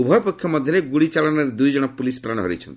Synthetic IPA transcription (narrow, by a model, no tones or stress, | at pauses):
ubʱɔpɔkʰjɔmɔd̪ʱjɔɾeɡuɽit͡ʃalɔnɔɾed̪ujd͡ʒɔɽ̃ɔpulispɾaɽ̃ɔɦɔɾḭt͡ʃʰɔnt̪i̥